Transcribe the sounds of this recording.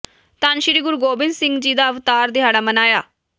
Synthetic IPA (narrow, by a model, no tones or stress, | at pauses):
t̪aːnʃɪɾiːɡʊɾuɡoːbɪnd̪sɪŋɡd͡ʒiːd̪aːəʋt̪aːɾt̪ɪɦaːɽaːmənaːjaː